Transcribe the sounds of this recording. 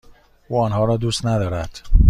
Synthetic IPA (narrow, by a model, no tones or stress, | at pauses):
ʔuːɒːnɦɒːɾɒːd̪uːst̪næd̪ɒːɾæd̪̥